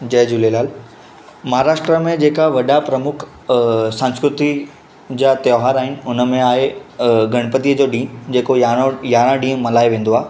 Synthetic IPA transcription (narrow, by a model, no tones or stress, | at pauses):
d͡ʑɐːd͡ʑʊlelaːl | mɐɦaɾaːʃʈɾəmẽd͡ʑeːkaʋɐɗapɾɐmʊkʰ | sãːñskɾʊt̪i | d͡ʑaːt̪joːɦaːɾaːɦɪnɪ̆ʊnəmẽaːɦeɡʱɐɽ̃pət̪iəd͡ʑoːɗĩːɦd͡ʑeːkojaːɽ̃ãɗĩːɦʊ̃mɐlaːeʋẽːn̆d̪oaː